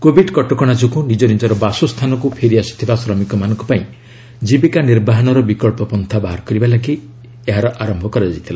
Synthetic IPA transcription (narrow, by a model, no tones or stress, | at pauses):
kobʱiɖkɔʈɔkɔɽ̃ad͡ʒukunid͡ʒɔɾid͡ʒɔɾɔbasust̪ʰanɔkupʰeɾiasɔ̥t̪ʰibasɾɔmikɔmanɔ̃ŋkupaĩ | d͡ʒibikaniɾbaɦɔnɔɾɔbikɔɭpɔpɔnt̪ʰabaɦɔɾkɔɾibalaki | eɦaɾɔʔaɾɔmbʱɔkɔɾait̪ʰila